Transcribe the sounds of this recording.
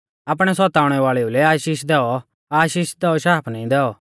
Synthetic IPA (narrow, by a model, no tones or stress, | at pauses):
ap̬ɽ̃ɛsɔt̪aːʊɽ̃ɛʋaːɭɛulɛaːʃiːʃd̪ɛːɔ | aːʃiːʃd̪ɛːɔʃaːpʰnɐ̃ĩd̪ɛːɔ